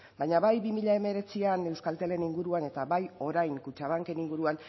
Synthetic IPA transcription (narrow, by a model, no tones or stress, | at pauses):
bajɲaβajβimiʎaeme̞ɾe̞t͡siane̞wskalt̪e̞le̞niŋɡuɾuane̞t̪aβajo̞ɾajŋkut͡ʃaβ̞aŋke̞niŋɡuɾuan